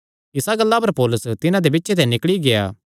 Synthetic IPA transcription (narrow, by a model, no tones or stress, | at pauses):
ɪsaɡɐlːapɐɾpɔːlʊst̪ɪnãd̪ebɪtːʃʰet̪ɛnɪkɭiɡea̰ː